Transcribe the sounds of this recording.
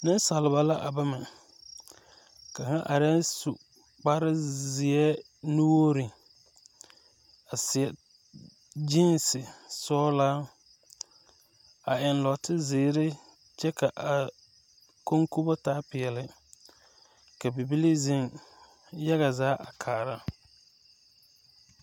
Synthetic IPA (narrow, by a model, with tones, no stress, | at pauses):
nɪ˦n˦sa˨lɪ˨ba˨la˦ʔa˨ba˦mɪ˨ | ka˨ŋa˦ʔa˨ɾɪ˦su˨ | k͡pa˦ɾɪ˦zɪ˨ɛ˦ | nu˦wo˦ɾɪ˨ | a˨sɪ˨ɛ˨ | d͡ʒi˦nsɪ˨sɔː˦laː˦ | a˨ɪ˨nlɔ˨tɪ˦zɪː˨˦ɾɪ˦ | t͡ʃɛ˦ka˨ʔa˨ | ko˦ŋku˦bɔ˦taː˦pɪ˨ɛ˨lɪ˨ | ka˨bi˨bi˦li˦zɪ˦ŋ | ja˦ɣa˨zaː˨˦ʔa˨kʰaː˨ɾa˦